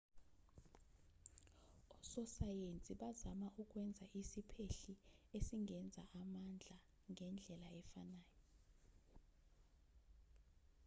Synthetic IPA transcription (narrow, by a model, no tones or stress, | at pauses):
ɔsɔsajent͡sʼiɓazamaʔuk̬ʼwɛnd͡zʱaʔisipʰeɬiesiŋɛnd͡zʱa̰ʔamand͡ɮʱa | ŋʱɛnd͡ɮʱɛlaɛfanaːjɔ